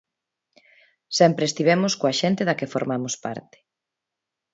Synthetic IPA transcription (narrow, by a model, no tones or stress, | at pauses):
sɛmpɾeːst̪iβ̞ɛmʊskoaʃent̪eðɐkɪfoɾmamʊspa̰ɾt̪ɪ̥